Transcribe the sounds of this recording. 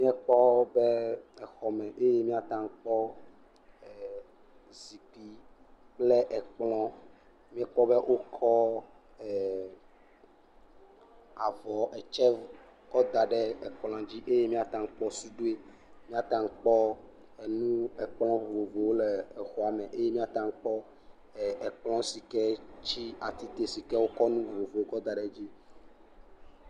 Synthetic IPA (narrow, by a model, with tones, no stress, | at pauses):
mĩ˦ɛ˦k͡pɔ˦bɛ˦ɛ˨xɔ˨mɛ̃˨ʔe˦je˦mĩ˦a˨t̪ã˨ŋ˦k͡pɔ˦˨ | zi˨k͡pi˨ | k͡plɛ˦ʔɛ˨k͡plɔ̃˦ | mĩ˦ɛ˦k͡pɔ˦bɛ˦ʔo˦kʰɔ˦ | ɛ˨ | a˨vɔ˨ɛ˨t͡ʃɛ˦ | kɔ˦d̪a˨ɖɛ˦ɛ˨k͡pl̃ã˨d͡ʑi˦ʔe˦je˦mĩ˦a˦t̪ã˨ŋ̩˦k͡pɔ˦su˦ɖo˦e˦ | mĩ˦a˦˨t̪ã˨ŋ̩˦k͡pɔ˦ | ɛ˨nũ˦ɛ˨k͡plɔ̃˦vo˨vo˨vo˨wo˦lɛ˨ɛ˨xɔ˦a˨mɛ̃˨ʔe˦je˦mĩ˦a˦t̪ã˨ŋ̩˦k͡pɔ˦˨ | ɛ˨k͡plɔ̃˦si˨kɛ˦t͡ɕi˦a˨t̪i˦t̪e˨si˨kɛ˦wo˦kɔ˦nũ˦˨vo˨vo˨o˦kɔ˦d̪a˨ɖɛ˨d͡ʑi˦